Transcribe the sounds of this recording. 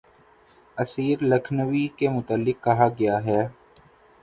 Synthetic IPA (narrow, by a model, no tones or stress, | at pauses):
ɐsiːɾlɐkʰnəʋikemʊt̪əlːɪkːɐɦaɡɐjaɦɛː